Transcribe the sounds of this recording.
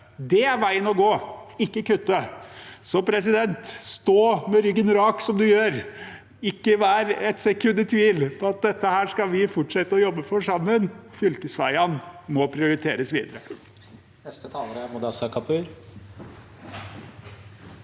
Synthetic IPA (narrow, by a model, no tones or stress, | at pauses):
d̪ɛæɾʋæɪənɔɡoːɪkːəkʉt̪ːəsɔpʰɾɛs̬ɪd̪ɛnt̪st̪oːmɛɾʏɡənɾɑːksɔmd̪ʉjøːɾ | ɪkːəʋæːɾɛt̪sɛkʰʉnːət̪ʰʋiːlpʰɔɑt̪̚d̪ɛt̪ːəhæːʂkɑʋɪfʊʈʂɛt̪ːəɔjɔbːəfɔʂɑmːənfʏlkəsʋæ̰ɪɑnmɔpʰɾɪʊɾɪt̪ʰeːɾəsʋiːd̪əɾə | nɛst̪ət̪ʰɑːləɾəmʊd̪ɑsɑkʰɑpʰʉːɾ